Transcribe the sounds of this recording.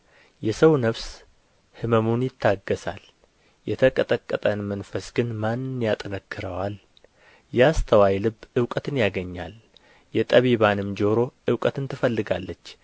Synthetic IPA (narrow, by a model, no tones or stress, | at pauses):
jɛsəwnəβs | hɨməmunjɪt̪ʰːaɡːəsa̰l | jɛt̪ʰəkʼət̪ʼəkʼːət̪ʼənmənfəsɡɨnmannjat̪ʼɨnəkʰːɨɾəwal | jɛast̪ʰəwajlɨbːɨwkʼət̪ɨnjaɡəɲːa̰l | jɛt̪ʼəβiβanɨmd͡ʒo̞ɾo̞ʔɨwkʼət̪ɨnt̪ʰɨfəlːɨɡalːət͡ʃː